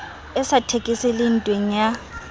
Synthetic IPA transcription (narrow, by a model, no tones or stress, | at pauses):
ɛsatʰekʼɪsɪlɪn̩tʼweŋ̩ja